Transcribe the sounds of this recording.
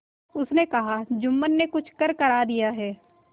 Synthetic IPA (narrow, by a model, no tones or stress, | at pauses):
ʊsnekɐɦad͡ʒʊmːənːekʊt͡ʃʰkɐɾkɐɾaːd̪ijaɦɛː